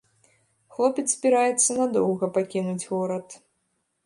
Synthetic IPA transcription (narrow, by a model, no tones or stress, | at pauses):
xlˠɔpʲɛt̪sz̥ʲbʲiɾajɛt̪sːɐnad̪ɔwɣɐpakʲinud͡zʲɣɔɾɐt̪